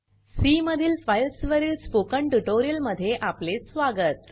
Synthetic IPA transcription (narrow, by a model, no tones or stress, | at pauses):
siməd̪ʱiːlfajlsʋəɾiːlspokəɳʈuʈoɾijəlməd̪ʱːjeʔaplesʋaɡət̪̚